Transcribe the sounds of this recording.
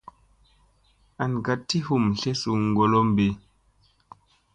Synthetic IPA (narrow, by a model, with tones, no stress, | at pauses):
a˨nɡa˨tːi˦hu˦˨mɬe˦su˨ŋɡo˨lo˦mbe˨